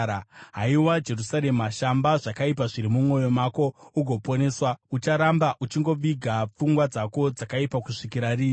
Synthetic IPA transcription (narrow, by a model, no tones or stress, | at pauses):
ɦaiwad͡ʒe̞rusaɾe̞maʃambaʐakaip̬aʐiɾimumo̞jo̞mako̞uɡʱo̞po̞ne̞swaut͡ʃaɾambaʔut͡ʃiŋɡo̞ʋiɡʱap͡fuŋɡwad͡zako̞d͡zakaipakuʂikiɾariːi